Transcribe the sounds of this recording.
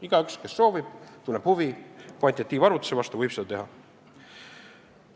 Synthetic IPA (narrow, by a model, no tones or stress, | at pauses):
iɡ̥ɑykske̞sːo̞ːvib̥t̪unlːeb̥huviponʲt̪it̪ːiːvɑɾvut̪ːˑu̥sevɑst̪uvɤjpsed̪ɑt̪e̞ɦɑ